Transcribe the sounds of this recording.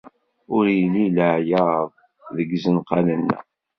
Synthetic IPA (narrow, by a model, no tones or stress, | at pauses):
ʊɾjəliləʕjəɾəðˤ | ðəɡzənqɑnənːæ̰